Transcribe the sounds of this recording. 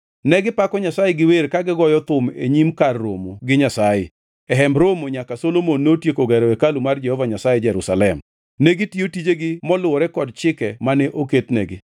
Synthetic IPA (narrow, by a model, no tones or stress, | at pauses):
nɛɡɪpakɔɲasajɛɡɪweɾkaɡɪɡɔjɔt̪ʊmḛɲimkarːo̰moɡɪɲasajɪ | ɛɦɛmbɾomoɲakasolomonːotjekoɡɛɾɛekalumard͡ʒɛhɔvaɲasajɛd͡ʒɛɾusalɛm | neɡɪtjotid͡ʒeɡɪmɔlʊɔɾɛkɔd̚t͡ʃɪkɛmanɛʔoketnɛɡɪ